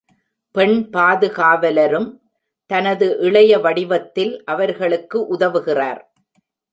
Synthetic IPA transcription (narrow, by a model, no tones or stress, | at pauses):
pɛɳpaːðɯɣaːʋɐlɐɾɯm | t̪ɐnɐðɯʔɪɭɐjɐʋɐɽɪʋɐt̪ːɪlʔɐʋɐɾɣɐɭɯkːɯʔʊðɐʋɯɣɪraːɾ